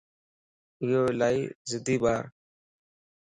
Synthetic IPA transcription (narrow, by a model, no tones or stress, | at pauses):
ɪjoːlaːiːzɪd̪iːbaːɾ